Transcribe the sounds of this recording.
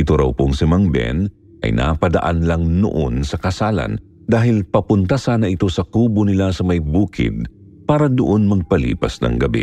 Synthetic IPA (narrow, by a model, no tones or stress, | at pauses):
ʔɪt̪oɾɐ̰wpoŋsɪmɐŋbɛ̰n | ʔɐ̰jnʔa̰pɐd̪ɐ̰ʔanlɐŋno̰ʔonsɐkɐsaːlɐ̰n | d̪aːɦɪlpɐpʊnt̪asaːnɐʔɪt̪o̞sɐkuːbonɪlasɐmɐjbuːkɪ̰d̪̚ | paːɾɐd̪oʔo̞nmɐɡ̚pɐlḭːpɐsnɐ̰ŋɡɐbɛ̰